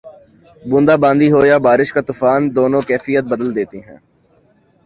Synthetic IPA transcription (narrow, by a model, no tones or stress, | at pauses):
bʊ̃ːnd̪aːbãːnd̪iɦoːjabaːɾɪʃkat̪ʊfaːnd̪oːnõkɛːfijət̪̚bəd̪əld̪eːt̪iɦɛ̃ː